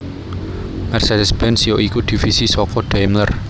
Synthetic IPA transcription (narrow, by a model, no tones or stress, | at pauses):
mɛrsed̪əsb̥ɛnsijoʔikud̪̥i̤fisiswɔkɔɖ̥ajmlər